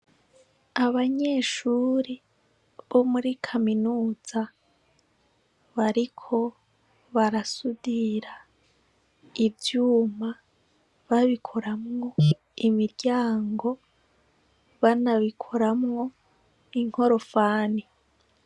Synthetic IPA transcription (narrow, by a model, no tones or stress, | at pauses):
aβaɲe̞ːʃuːɾi | βo̞muɾikʰaminuːz̥a | βaɾikʰo̞ | βaɾasudiɾa | ivjuːma | βaβikʰo̞ɾamŋo̞ | imiɾɟaːŋɡo̞ | βanaβikʰo̞ɾamŋo̞ | iŋ̥ho̞ɾo̞faːni